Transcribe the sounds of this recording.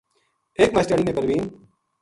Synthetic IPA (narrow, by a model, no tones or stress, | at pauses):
eːkmaːsʈəːɽiːnẽːpəɾʋiːn